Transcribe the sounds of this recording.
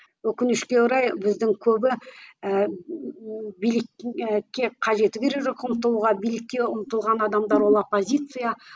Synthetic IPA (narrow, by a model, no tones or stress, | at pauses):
wɵkʲɪnɪʃkʲe̞ʊɾɑjbɪzd̪ɪŋkʲʰɵbɪ | bijlɪkʲkʲːe̞qʰɑʒe̞t̪ɪkʲeɾe̞kʒokʊmət̪ːəlˠuʁɑbijlɪkʲːe̞ʊmət̪əlˠʁɑnɑd̪ɑmd̪ɑɾwo̞lˠopːo̞zʲit̪sɨja